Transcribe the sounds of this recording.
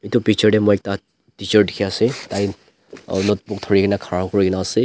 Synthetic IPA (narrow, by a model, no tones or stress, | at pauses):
etupik̚t͡ʃɔɹdɛmɔjɛk̚ta | tit͡ʃɔɹdikʰiasɛtaj | nɔt̚pʊk̚tʰɔɹikinakʰaɹakɔɹikinaːsɛ